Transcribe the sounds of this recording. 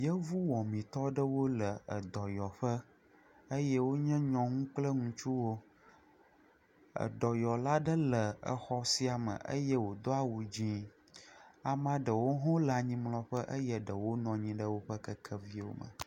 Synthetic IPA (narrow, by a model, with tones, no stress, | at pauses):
jə˦vu˦wɔ̃˨mĩ˨t̪ɔ˦ɖə˦wo˦lə˨ə˨d̪ɔ˨jɔ˨ɸə˦ | ə˦jɛ˦wo˦ɲɛ̃˦ɲɔ̃˨ŋũ˦k͡plə˦ŋũ˦t͡ʃu˦wo˦ | ə̰˨d̪ɔ˨jɔ˨la˦ɖə˦lə˨ə˨xɔ˦si˦a˨mə̰̃˨ʔə˦jə˦wo˨d̪ɔ˦a˦wu˨d͡ʑĩ˦ | a˨mã˦ɖə˨wo˦ɦɔ̃˦la˨ɲĩ˦mlɔ̃˨ɸə˦ʔə˦jɛ˦ɖə˨wo˦nɔ̃˨ɲĩ˦ɖə˦wo˦ɸə˦kə˦kʰə˦vi˦wo̰˦mə̰̃˨